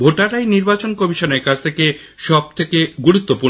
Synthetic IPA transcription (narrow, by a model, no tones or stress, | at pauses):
bʱoʈaɾajniɾbat͡ɕonkɔmiʃoneɾkat͡ɕʰt̪ʰekeʃɔb̚t̪ʰekeɡuɾut̪ːopuɾ